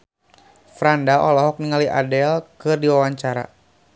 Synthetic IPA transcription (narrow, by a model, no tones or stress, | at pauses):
fɾandaʔɔlɔɦɔk̚niŋaliʔa̰dɛlkɨrdiwawaɲt͡ʃaɾa̰